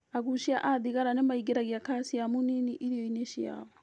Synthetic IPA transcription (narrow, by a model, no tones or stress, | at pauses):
aɣuʃiaʔaðiɣaɾanemaiɡeɾaɣiakasiamuniniʔiɾijɔineʃia̰βɔ